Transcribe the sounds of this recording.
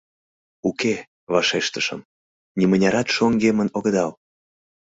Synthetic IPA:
uke | βɑʃeʃt̪əʃə̰̆m | nʲimənʲɑɾɑt̪ʃoŋɡemənoɣəd̪ɑl

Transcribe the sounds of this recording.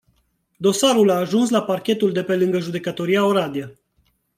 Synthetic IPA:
d̪o̞saɾulaːʒuns̬laparkʲe̞t̪uld̪e̞pe̞lɨŋɡəʒud̪e̞kət̪o̞ɾijaoɾad̪iə

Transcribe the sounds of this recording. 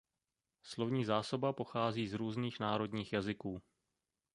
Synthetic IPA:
slo̞vɲiːzaːso̞bapo̞xaːziːzɾuːzniːxnaːɾo̞dɲiːxjazɪkuː

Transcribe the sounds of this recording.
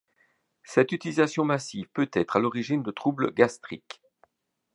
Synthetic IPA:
sɛt̪yt̪ilizasjɔ̃masivpøt̪ɛt̪χalɔʁiʒind̪ət̪χublə̰ɡast̪χik

